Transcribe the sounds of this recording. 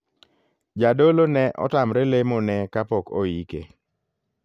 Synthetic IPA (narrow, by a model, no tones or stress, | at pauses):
d͡ʒadolonɛʔɔ̰tamɾɛlemonɛkapɔko̰ikḛ